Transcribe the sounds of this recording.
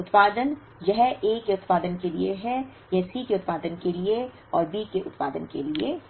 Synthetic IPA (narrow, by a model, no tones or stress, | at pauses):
ʊt̪paːd̪ən | jɐɦeːkeʊt̪paːd̪ənkelieɦɛ | jɐɦsikeʊt̪paːd̪ənkelie | ɔːɾbiːkeʔʊt̪pa̰ːd̪ənkelie